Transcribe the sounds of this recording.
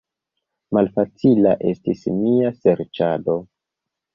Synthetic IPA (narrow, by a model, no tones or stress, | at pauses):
malfat͡silaʔe̞stismiaseɾt͡ʃado̞